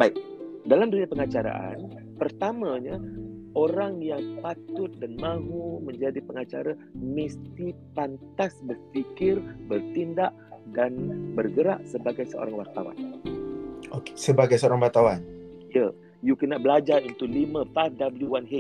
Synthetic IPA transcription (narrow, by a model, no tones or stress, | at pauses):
baɪk̚dalamduniapəŋat͡ʃaɾa̰ʔa̰n | pərt̪amãɲa | oɾaŋjaŋpat̪ʊt̪̚danmãɦumə̃ɲd͡ʒadipəŋat͡ʃaɾa | məst̪ipant̪asbərfikɪrbərt̪indaʔdanbərɡəɾa̰ʔsəbaɡajsəʔo̰ɾaŋwart̪awa̰n | oke̥səbaɡajsəoɾaŋwart̪awanjə | jukənaʔbəlad͡ʒarunt̪ulimə̃fafdabəljuwanɦe